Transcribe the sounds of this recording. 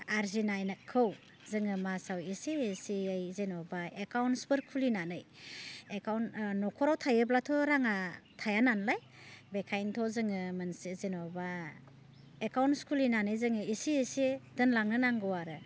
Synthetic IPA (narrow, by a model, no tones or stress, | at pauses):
aɾzinajnakʰːɯw | zɯŋɯmasawisiːsiɯjzenɔbaekawnsbɯɾkʰulinanɯjekawnnɔkʰɔɾawtʰajɯblatʰɔɾaŋatʰajananlaj | bekʰajntʰɔzɯŋɯmɯnsizenɔba | ekawnskʰulinanɯjzɯŋɯisiesidɯnlaŋnɯnaŋɡɯwaɾɯ